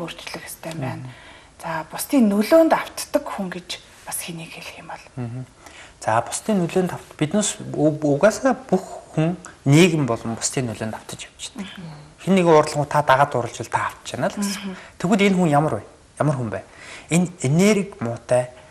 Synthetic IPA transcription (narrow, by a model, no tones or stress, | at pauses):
or̥t͡ɕɮɘ̆xe̥st̪ʰæːmpæːn | t͡sʰapʊst̪ʰiːnːɵɮoːnt̪aw̥t̪ːə̆kxuŋɡet͡ɕ | pasxeniːkxeɮɘ̆xɪmpɔɮm̩ːɦ̩ | t͡sʰapʊ̥st̪ʰiːnːuɮoːnt̪awt̪pit̪noːsuɣaːsaːpuxːuŋneːɣɘ̆mpɔɮɞ̆mpʊ̥st̪ʰiːnːɵɮoːnt̪aw̥t̪ə̆t͡ɕɛ̥wt͡ɕt̪əkxenːeɣʊːrɮɞ̆ŋʊːt̪ʰat̪aʁaːt̪ʊɾə̆ɮt͡ɕɪ̆ɮt̪ʰaːw̥t̪t͡ɕenăːɮə̥̆ŋt̪ʰewɣuːɮenxuŋjamə̆rwæj | jamərxumpæːneneneːɾɘ̆kmʊːt̪æː